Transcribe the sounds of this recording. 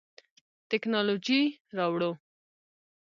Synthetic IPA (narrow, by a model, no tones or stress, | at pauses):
t̪ɪknɑlod͡ʒiɾɑwɽo